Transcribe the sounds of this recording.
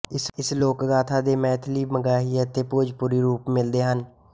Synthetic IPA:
ɪsloːkɡaːt̪ʰaːd̪eːmɛ̃ːt̪ʰliːməɡaːɦiːət̪eːpoːd͡ʒpuɾiːɾuːpmɪld̪eːɦən

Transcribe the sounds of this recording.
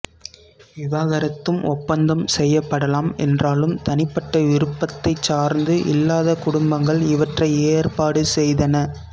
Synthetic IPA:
ʋɪʋaːɣɐɾɐt̪ːɯmʔɔpːɐnd̪ɐmsɛjːɐpːɐɽɐlaːmɛ̰ndraːlɯmt̪ɐnɪpːɐʈːɐʋɪɾɯpːɐt̪ːɐɪt͡ʃːaːɾnd̪ɯʔɪlːaːðɐkʊɽʊmbɐŋɡɐɭɪʋɐʈrɐɪeːrpaːɽɯsɛjðɐnɐ

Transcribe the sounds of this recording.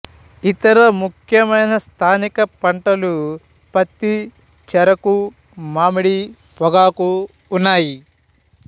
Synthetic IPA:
it̪ɐɾɐmukʰjɐmɐjnɐst̪ʰaːnikɐpɐɳʈɐlu | pɐt̪ːi | t͡ʃɛɾɐku | maːmiɽi | pɔɡaːkuː | nːaːji

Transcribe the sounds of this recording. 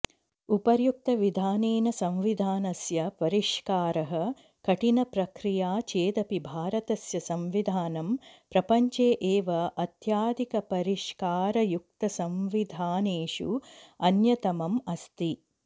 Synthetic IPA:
upɐɾjuk̚t̪ɐʋid̪ʱaːneːnɐsɐ̃mʋid̪ʱaːnɐsjɐpɐɾiʂkaːɾɐɦɐ̆ | kɐʈinɐpɾɐkɾijaːt͡ʃeːd̪ɐpibʱaːɾɐt̪ɐsjɐsɐmʋid̪ʱaːnɐmpɾɐpɐɲt͡ʃeːʔeːʋɐʔɐt̪jaːd̪ʱikɐpɐɾiʂkaːɾɐjuk̚t̪ɐsɐmʋid̪ʱaːneːʂṵɐnjɐt̪ɐmɐmɐst̪i

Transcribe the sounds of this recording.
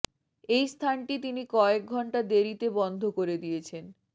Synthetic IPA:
ejst̪ʰanʈit̪inikɔek̚ɡʱɔɳʈad̪eɾit̪ebɔnd̪ʱokoɾed̪ijet͡ɕʰen

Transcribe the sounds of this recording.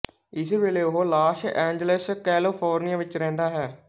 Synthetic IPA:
ɪsʋeːleːoɦoːlaːʃɛ̃ːɲd͡ʒələskɛːlɪpʰoːɾnijaːʋɪt͡ʃɾɛ̃ːnd̪aːɦɛː

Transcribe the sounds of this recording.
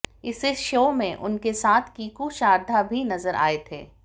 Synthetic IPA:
ɪseʃoːmẽʔʊ̰nkesaːt̪ʰkiːkuʃaːɾd̪ʱabʱinɐzəɾʔa̰ːet̪ʰḛː

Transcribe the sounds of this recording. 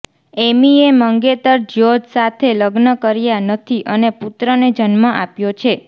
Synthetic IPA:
emieməŋɡet̪əɾd͡ʒjod͡ʒsat̪ʰeləɡnəkəɾijanət̪ʰiʔəneput̪ɾəned͡ʒənmə̃ʔapjot͡ʃʰe

